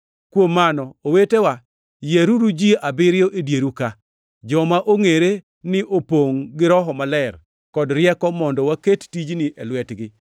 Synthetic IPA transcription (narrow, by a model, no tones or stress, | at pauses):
kwomːanɔowetewa | jeɾuɾud͡ʒiabɪɾjoʔedjeɾuka | d͡ʒɔmaʔoŋeɾe | nɪʔopoŋɡɪɾɔɦɔmalɛr | kɔdɾɪɛkɔmɔndɔwakettid͡ʒnɪʔɛlwɛtɡɪ